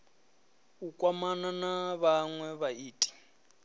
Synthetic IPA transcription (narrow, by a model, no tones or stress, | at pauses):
ukʼwamananaβaŋwɛβaiːtʼi̥